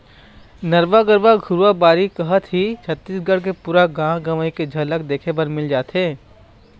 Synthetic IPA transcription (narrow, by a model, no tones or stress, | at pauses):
nɐɾʋaɡəɾʋaɡʱʊɾʋabaːɾikɐɦət̪ɦit͡ʃʰɐt̪ːiːsɡɐɽk̬epuːɾaɡãːɡɐʋəiked͡ʒʱɐlək̚d̪eːkʰebɐɾmɪld͡ʒaːt̪eː